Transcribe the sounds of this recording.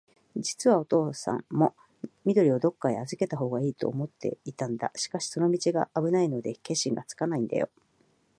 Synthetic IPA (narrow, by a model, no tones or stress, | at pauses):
d͡ʑit͡sɨβao̞t̪o̞ːsã̰mːo̞ | mʲid̪o̞ɾʲio̞d̪o̞kːaeazɨke̞t̪aɦo̞ːɡaiːt̪o̞̰ːmo̞t̪ːe̞̰it̪ãnd̪a̰ɕi̥kaɕi̥so̞no̞mʲit͡ɕiɡaʔːbɯ̟naino̞d̪e̞ke̞ɕĩŋɡa̰t͡sɨ̥kanaĩnd̪a̰jo̞̰